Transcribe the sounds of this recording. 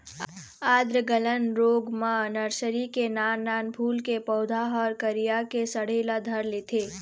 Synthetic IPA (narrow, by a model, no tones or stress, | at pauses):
ad̪ɾəɡələnɾoɡmanəɾsəɾikenaːnːaːnpʰuːlkepəʊd̪ʱaɦəɾkəɾijakesəɽ̤eːlad̪ʱəɾlet̪ʰe